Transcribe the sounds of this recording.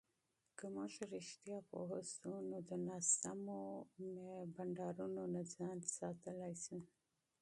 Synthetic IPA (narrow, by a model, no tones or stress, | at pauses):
kəmaʃɾɪʃt̪jɑpo̰ɦəsunod̪ənɑsamomebaɳɖɑɾunonazɑnsɑt̪əlajsu